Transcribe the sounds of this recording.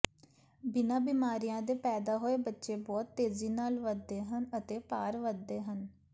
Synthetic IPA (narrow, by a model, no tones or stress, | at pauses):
bɪnãːbiːmaːɾijãːd̪eːpɛːd̪aːɦoːeːbətːʃeːbɔːt̪ːeːziːnaːlʋəd̪ːeːɦənət̪eːpaːɾʋəd̪ːeːɦən